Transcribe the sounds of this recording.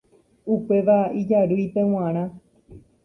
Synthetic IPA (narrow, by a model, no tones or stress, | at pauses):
upe̞ʋaid͡ʒaɾɨjpẽw̃ãɾ̃ã